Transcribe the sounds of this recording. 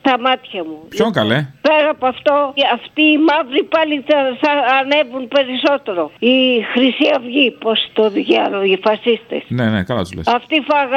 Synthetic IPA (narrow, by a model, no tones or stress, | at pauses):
t̪ɐmɐt̪çɐmupçoŋkɐlepe̞ɾɐpoɐft̪o̞ɐft̪iːmɐvɾipɐliθɐːne̞vunpe̞ɾiso̞t̪e̞ɾo̞ixɾisiɐvʝipo̞st̪oðʝɐlojifɐsist̪e̞̰snenekɐlɐ̰t̪uzlḛsɐft̪ifɐɣ